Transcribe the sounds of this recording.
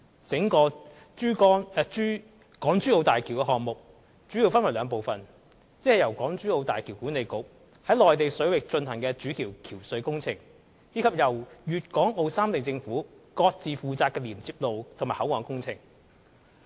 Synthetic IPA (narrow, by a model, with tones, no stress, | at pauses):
t͡sɪ˨˥ŋkɔː˧ | t͡ʃyː˥kɔː˥nt͡ʃyː˥ | kɔː˨˥ŋt͡ʃyː˥o˧wt̪aː˨jkʰiː˨˩wkɛ˧ɦɔː˨ŋmʊ˨k̚ | t͡ʃyː˨˥ji˨˩wfɐ˥nwɐ˨˩jlœː˨˧ŋp̬o˨wfɐ˨n | t͡sɪ˨˥hɐ˨jɐ˨˩wkɔː˨˥ŋt͡ʃyː˥o˧wt̪aː˨jkʰi˨˩wkuː˨˥ne˨˧jkʊ˨˥k̚ | hɐ˨˥jlɔː˨jt̪e˨jsɵ˨˥ɥwɪ˨k̚t͡ʃɵ˧nhɐ˨˩ŋkɛː˧t͡ʃyː˨˥kʰiː˨˩wkʰiː˨˩wsɵ˨˧ɥkʊ˥ŋt͡sʰɪ˨˩ŋ | jiː˧˥kʰɐ˨p̚jɐ˨˩wjyː˨t̚kɔː˨˥ŋo˧wsaː˥mt̪e˨˩t͡sɪ˧ŋfuː˨˥kɔː˧k̚t͡siː˨˧fuː˨˧t͡saː˧kːɛ˧liː˨˩nt͡siː˧p̚lo˨wt̪ʰŋmaː˨˩jhɐ˨˥wɔː˨˧˥ŋkʊ˥ŋt͡sʰɪ˨˩ŋ